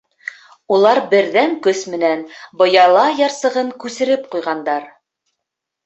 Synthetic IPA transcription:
ulˠɑɾbɘ̆ɾðæŋkɵsmɘ̆nænbɤ̆jɑlˠɑjɑɾsɤ̆ʁɤŋkʉsɘ̆ɾɘp̚qujʁɑnd̪ɑɾ

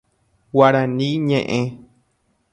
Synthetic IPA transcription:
waɾãnĩɲẽʔẽ

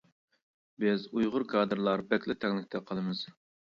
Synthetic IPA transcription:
bɪzujʁʊɾkʰɑːd̪ɨɾlˠɑɾbɛkʲlɪt̪ʰɛŋlˠɪkʲt̪ʰɛqʰɑlˠɨmɨz̥

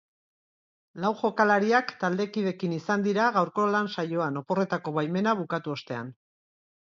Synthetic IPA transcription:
lawʝo̞kalaɾiakt̪ald̪e̞kiðe̞kinisand̪iɾaɣ̞awɾko̞lansajo̞ano̞po̞re̞t̪ako̞βajme̞naβ̞ukat̪uo̞st̪e̞a̰n

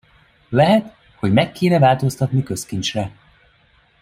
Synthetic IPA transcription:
lɛɦɛt̪ | ho̞ɟmɛkːeːnɛvaːlt̪o̞st̪ɒt̪nikø̞skint͡ʃrɛ

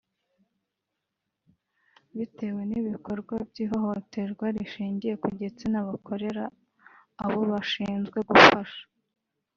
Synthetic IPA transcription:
βite̞we̞niβiko̞ɾɡwabɟiːɦo̞ɦo̞te̞ɾɡwaɾiʃiːɲɟije̞kuɟe̞t͡senaβakʰo̞ɾe̞ɾaː | βo̞βaʃiːnzɡwe̞ɡufaʃḁ

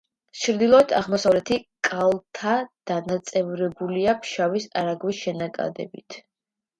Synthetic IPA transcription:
t͡ʃʰɾd̪ilˠɔɛt̪ʰa̰ʁmɔsavlɛt̪ʰikʼalˠt̪ʰad̪̥anat̪sʼɛvɾɛbuliapʰʃavisaɾaɡwisʃɛnakʼa̰d̪ɛ̰bḭt̪ʰ

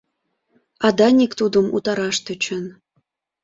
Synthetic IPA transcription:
ɑd̪ɑnʲikt̪ud̪ə̆mṵt̪ɑɾɑʃt̪ɤ̆t͡ɕə̆n

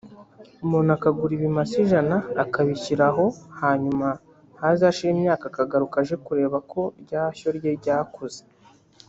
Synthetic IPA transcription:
umonakaɡuɾiβimasiʒanaːkaβiciɾaɦo̞haːɲuma | hazaʃiɾiːmɲaːkakaɡaɾukaʒe̞kuɾe̞ːβakʰo̞ɾɟaːço̞ɾɟeɾɟaːkuze

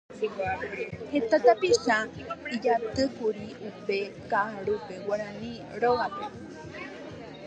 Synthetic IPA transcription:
het̪at̪apiʃaid͡ʒat̪ɨkuɾiupe̞kaɾupewaɾ̃ãnĩ | ɾoɣape

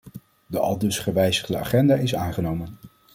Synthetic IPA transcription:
dəʔɑ̰lˠdɵsχəʋɛjzəχdəa̰ːχɛndaːɪsaːnχənowmən

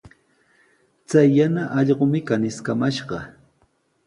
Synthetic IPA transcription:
t͡sajːanaʔɑʎɢomɪkanɪskamaʃɢɑ

